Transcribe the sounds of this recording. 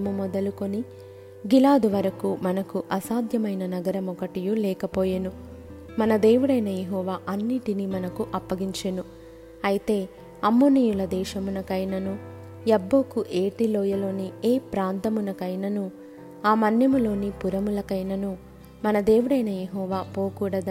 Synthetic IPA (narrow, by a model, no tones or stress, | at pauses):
mumɔd̪ɐluko̞ni | ɡilaːd̪uʋɐɾɐkumɐnɐkuʔɐsaːd̪ʱjɐmɐjnɐnɐɡɐɾɐmɔkɐʈijulɛːkɐpoːjenu | mɐnɐd̪e̞ːʋuɽɐjnɐjeɦɔːʋaːʔɐnːiːʈinimɐnɐkuʔɐpːɐɡiɲt͡ʃenu | ɐjit̪e̞ː | ɐmːonijulɐd̪ɛːʃɐmunɐkɐjnɐnu | jɐbːo̞ːkuʔeːʈiloːjɐlo̞ːnieːpɾaːnt̪ɐmunɐkɐjnɐnu | aːmɐnjɐmulo̞ːnipuɾɐmulɐkɐjnɐnu | mɐnɐd̪e̞ːwuɽɐjnɐjeɦɔːʋaːpo̞ːkuːɽɐd̪ɐ